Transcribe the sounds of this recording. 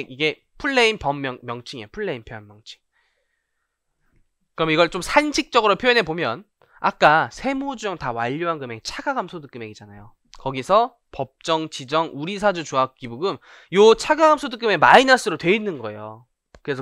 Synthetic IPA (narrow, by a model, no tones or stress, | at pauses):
ɡiɡe̞ | pʰuɭːe̞inpʌmmjʌŋmjʌŋt͡ɕʰiŋejpʰuɭːe̞impʰjoʌnmjʌŋt͡ɕʰi̥ŋ | kɯɾʌmiɡʌɭt͡ɕomsʰand͡ʑʰik̚t͡ɕ͈ʌɡɯɾopʰjojinɦe̞bomjʌn | a̰k̚k͈asʰe̞mod͡ʑuʌŋtawaʎːoɦanɡɯme̞ɡt͡ɕʰaɡaɡamsʰodɯk͈ɯme̞ɡid͡ʑanajo | kʌɡisʰʌ | pʌp̚t͡ɕ͈ʌŋt͡ɕid͡ʑʌŋuɾisʰad͡ʑut͡ɕuak͈ibuɡɯm | jot͡ɕʰaɡaɡamsʰodɯk͈ɯme̞mainas͈ɯɾotwe̞inːɯnɡʌe̞̰jo̰ | kɯɾesʰʌ